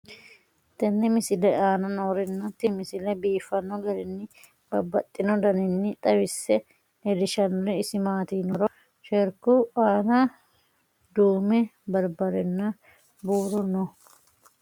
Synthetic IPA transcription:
t̪ɛnːɪmɪsɪlɛaːnɐnoːɾɛnːɐt̪ɪmɪsɪlɛbiːfːɐnːɔɡɐlɛnːɪ | bɐbɐt̪ʼːɪnɔd̪ɐnɪnːɪt̪ʼɐwɪsːɛ | ɛd̪ɪʃɐnɔlɛɪsɪmaːt̪iːnɔɾɔ | ʃɛɾkuaːnɐ | d̪uːmɛbɐɾbɐɾɛnːɐ | buːɾɔnːɔ

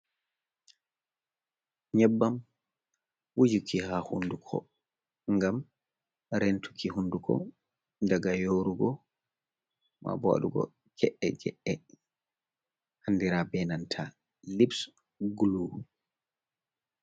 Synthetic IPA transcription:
ɲɛbːam | wud͡ʒukihahundukʰɔ̰ | ŋɡam | ɾentʰu̥kʰihundukʰɔ̰ | ndaɡajoɾuɡɔ | ma̰bɔa̰ɗuɡɔ̰ | kɛʔɛd͡ʒɛʔɛ | hanːdiɾabɛnantʰa | libs | ɡulu

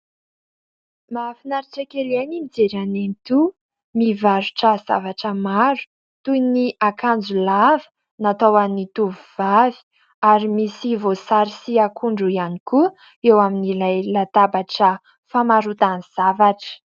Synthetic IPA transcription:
mafinaɾiʈ͡ʂakeleninid͡zeɾanenit̪u | mivaɾu̥ʈ͡ʂəz̥a̰vaʈ͡ʂəmaɾu̥ | t̪ujniʔakʰand͡zulavə̥ | nat̪awanit̪uvuv̥avi̥ | aɾimisivosaɾisiakʰuɳɖ͡ʐuianiku | ewaminilajlat̪abaʈ͡ʂə | famaɾut̪aniz̥avaʈ͡ʂə̥

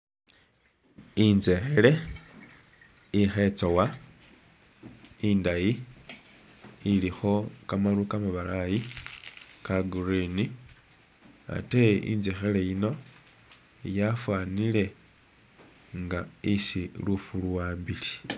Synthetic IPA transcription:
inzexe̞le̞ | ixe̞t͡sowa | indaji | lixo̞kamalukamaβalaji | kaɡurini | a̰teḭnzexe̞le̞jino̞ | jafwanile̞ | ŋɡaisilufuluwaːmbili̥

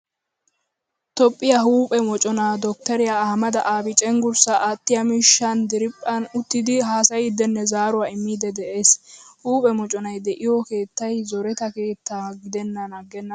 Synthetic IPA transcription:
t̪ɔpʼːɪjɐɦuːpʼɛmɔt͡ʃʼɔnaːd̪ɔk̚t̪ɐɾɪjahɐmɐd̪ɐʔaːbɪt͡ʃʼɛŋɡʊɾsɐʔaːt̪ːɪjɐmiːʃːɐnd̪ɪɾɪpʼːɐnʊt̪ːɪd̪ɪɦaːsɐjɪd̪ɛnːɛzaːɾʊaːɪmːiːd̪ɛd̪ɛʔe̞ːshuːpʼɛmɔt͡ʃʼɔnɐjd̪ɛʔɪjɔke̞ːt̪ːɐjzɔɾɛt̪ɐke̞ːt̪ːaːɡɪd̪ɛnːɐnɐɡːɛnːɐ

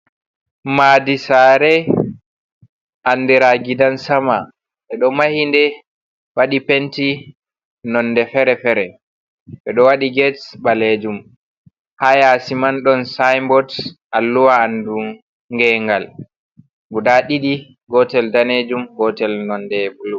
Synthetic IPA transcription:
madisaɾɛ | ʔandiɾaɡidansama | ɓɛɗɔmahindɛ | waɗipenti | nɔnːdɛfɛɾɛfɛɾɛ | ɓɛɗɔwaɗiɡɛtbaled͡ʒum | hajasimanɗɔnsajmbɔtʔalːuwaːndu | ŋɡɛŋɡal | ɡudaɗiɗi | ɡɔtɛldaned͡ʒumɡɔtɛlnɔndɛbulu

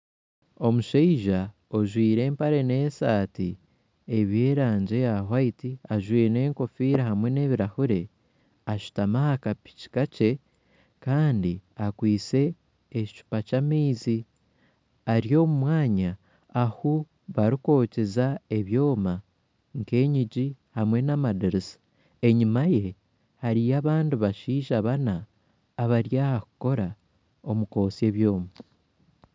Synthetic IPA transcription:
o̞muʃeiʒa | o̞ʒwiːɾe̞ːmpaɾe̞ne̞saːti | eβje̞ːɾaːɲɟe̞jaɦwaitiaʒwiːɾne̞ːŋko̞fiːɾahamwe̞ne̞ːβiɾahuɾe̞ | aʃu̥tamahakapi̥ci̥kace̞ | kaːndiakwiːt͡se̞ː | t͡ʃu̥pacamiːzi | aɾjo̞ːmumwaːɲaː | hu | βaɾiko̞ːce̞zae̞βjo̞ːma | ŋke̞ːɲiɟihamwe̞namadiɾisḁ | e̞ɲimaje̞ | haɾijaβaːndiβaʃiːʒaβanaː | βaɾjaːhaku̥ko̞ɾa | o̞muko̞ːsie̞βjo̞ːma

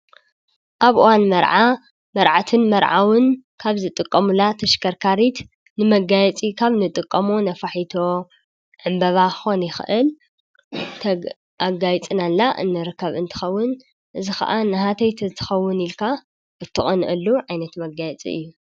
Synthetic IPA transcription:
ʔaβuwanmɐɾʕa | mɐɾʕat̪ʰɨnmɐɾʕawɨnkʰaβzɨt̪ʼɨkʼːɐmulat̪ʰɐʃkʰɐɾkʰaɾit̪ | nɨmɐɡajɛt͡sʼikʰaβnɨt̪ʼɨkʼːɐmonɐfaħit̪ʰo̞ | ʕɨmbɐβaxonjɪxɨʔɨl | t̪ʰ | aɡajt͡sʼɨnalːaʔɨ̰nːɨɾɨkʰːɐβɨnt̪ʰɨ̥xɐwːʊn | ʔɨzixɐ̰ʔanɐɦat̪ʰɐjt̪ʰit̪ʰɨ̥xɐwːʊnilkʰa | bɨt̪ʰːɨχʼɐnʔɨlːuʕajnɐt̪mɐɡajɛt͡sʼḭʔɨ̰jːu

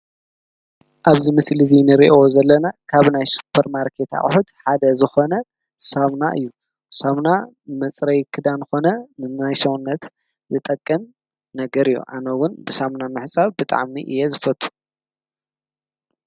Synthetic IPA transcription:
ʔaβzimɨslizinɨɾḭʔozɐlːɐnakʰaβnajsu̥pʰːɐɾmaɾkʰet̪ʰa̰χʼħut̪ħad̪ɐzɨxo̞nɐ | saβnaʔɨ̰jːu | saβna | mɨt͡sʼɾɐjkʰɨd̪anɨxo̞nɐnɨajsɐwunːɐt̪ | zɨt̪ʼɐkʼːɐm | nɐɡɐɾɨjːṵʔanɐwʊnbɨsaβnamɨħsʼaβbɨt̪ʼa̰ʕmiʔɨ̰jezɨfɐt̪ʰʼːu̥

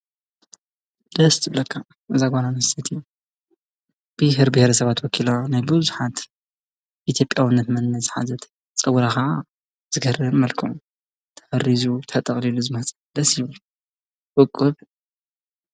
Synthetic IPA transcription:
d̪ɐst̪ʰɨblɐkʰːa | ʔɨzaɡʷananɐsɐt̪ʰiju | b̥ɨɦɾbɪhɾɐsɐβat̪wɔkʰilonajbɨzuħat̪ | ʔit̪ʰjo̞pʼjawɨnːɐt̪mɐnːɐzħa̰zɐt̪ | t͡sʼɐwɾakɐʕa | z̥ɨɡɐrɨβmɐlkʰɨu | t̪ʰɐ̥fɐrizut̪ʰɐt̪ʼɐχʼliluzɨmɐht͡sʼɐd̪ɐsjiβl | ʔɨkʼːɨβ

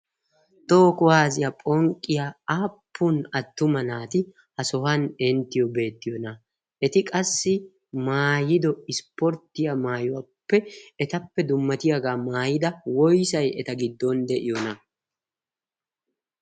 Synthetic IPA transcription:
t̪oːkʊwaːzɪjapʼɔŋkʼːɪjaaːpːʊnɐt̪ːʊmɐnaːt̪ɪ | hɐsɔɦɐnɛnt̪ːɪjɔbe̞ːt̪ːɪjɔnɐ | ʔɛt̪ɪkʼɐsːɪ | maːjɪd̪ɔɪspɔɾt̪ːɪjamaːjʊwapːɛɛt̪ɐpːɛd̪ʊmːɐt̪ɪjaɡaːmaːjɪd̪ɐwɔjsɐjɛt̪ɐɡɪd̪ːɔnd̪ɛʔɪjɔnɐ

